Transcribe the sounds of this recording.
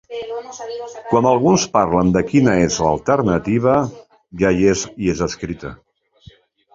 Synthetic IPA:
kwanəlˠɣunspaɾlənd̪əkinəezlə̰lˠt̪əɾnət̪iβ̞ə | ʒajeziezəskɾit̪ə̰

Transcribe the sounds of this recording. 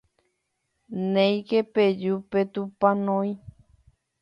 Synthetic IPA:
nẽj̃keped͡ʒupet̪upãnõĩ

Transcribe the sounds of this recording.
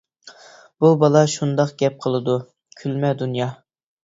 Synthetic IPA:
b̥ubɑlˠɑʃund̪ɑqɡʲɛp̚qʰəlˠɨd̪u | kʲʰylmɛd̪unjɑ

